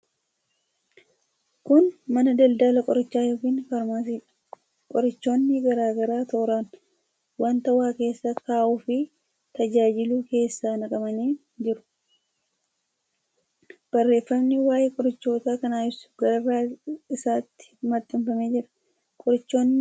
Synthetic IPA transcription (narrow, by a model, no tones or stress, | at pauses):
kʊnmɐnɐd̪ɐld̪aːlɐkʼɔɾɐt͡ʃːaːjokiːnfɐɾmaːs̬iːᶑɐ̥ | kʼɔɾɪt͡ʃːo̞ːnːɪɡɐɾaːɡɐɾaːt̪oːɾaːn | waːnt̪ɐwaːke̞ːsːakaːʔuːfɪ | t̪ɐd͡ʒaːd͡ʒɪluːke̞ːsːaːnɐkʼɐmɐniː | d͡ʒɪɾʊ̥ | b̥ɐrːe̞ːfːɐmnɪwaːjeːkʼɔɾɐt͡ʃːo̞ːt̪aːkɐnaːɪsʊ̥ɡɐɾɐrːaɪsaːt̪ːɪ̥mɐt̪ʼːɪmfɐmeːd͡ʒɪɾɐ̥ | kʼɔɾɪt͡ʃːo̞ːnː